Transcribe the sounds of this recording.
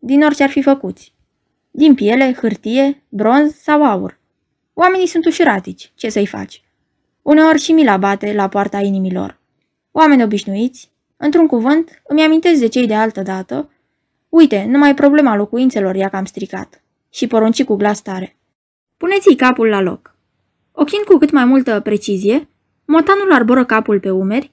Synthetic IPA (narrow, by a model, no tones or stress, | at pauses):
d̪ino̞rt͡ʃearfifəkut̪sʲ | d̪impije̞le̞xɨrt̪ije̞bɾo̞nzsawaṵr | owame̞nijsunt̪uʃiɾat̪it͡ʃʲt͡ʃe̞səjfa̰t͡ʃʲ | une̞o̞rʲʃimilabat̪e̞lapoart̪ainimilo̞̰r | owame̞nʲo̞biʃnuit̪sʲ | ɨnt̪ɾuŋkuvɨnt̪ | ɨmʲjamint̪es̬d̪e̞t͡ʃejd̪e̞alt̪əd̪at̪ə | ujt̪e̞numajpɾo̞ble̞malo̞kuint̪se̞lo̞rjakamst̪ɾika̰t̪ | ʃipo̞ɾont͡ʃikuɡlast̪aɾe̞ | pune̞t̪sʲijkapulːalo̞̰k | o̞kʲind̪̚kukɨt̪majmult̪əpɾe̞t͡ʃizije̞ | mo̞t̪anularboɾəkapulpe̞ume̞rʲ